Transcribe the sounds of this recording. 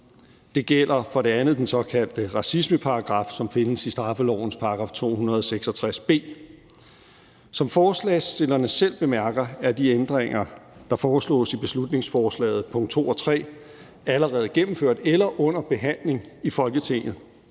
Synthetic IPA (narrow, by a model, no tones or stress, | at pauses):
d̥e̝ɡ̥el̰ɐfɒ̽ɾe̝ænð̞̩ˠd̥ensɒ̽kʰæl̰d̥əʁɑ̈sisməpʰɑ̈ɑ̈ɡ̥ʁɑ̈fsɒ̽mfe̝nəsisd̥ʁɑ̈fəlɒ̰ʊ̰n̩spʰɑ̈ɡ̥ʁɑ̈ft͡sʰo̝̰ːhunɐð̞ˠɒseɡ̥sɒ̽t͡sʰʁasb̥e̝̰ː | sɒ̽mfɒːslɛːsd̥e̝lɐnəsel̰b̥e̝mæɐɡ̥ɐæɐd̥iend̥ʁeŋ̰ɐd̥ɑ̈fɒːslɔ̰̽ːsib̥e̝slud̥ne̝ŋsfɒːslɛ̰ːð̞̩ˠpʰɔ̽ŋ̰d̥̚t͡sʰo̝̰ːɒ̽t͡sʰʁɛ̰ː | æləʁɛːð̞̩ˠɡ̥emm̩føɐ̰d̥elɐʔɔ̽n̰ɐb̥e̝ɦæn̰le̝ŋifɒ̽lɡ̥ət͡sʰe̝ŋ̰ð̩ˠ